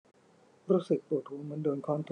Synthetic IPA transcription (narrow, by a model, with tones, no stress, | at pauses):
ɾuː˦˥sɯ˨˩k̚t̪u˨˩t̪ʰːuː˩˦nmɯ˨˦əndoː˧nkʰɔː˦˥nt̪ʰu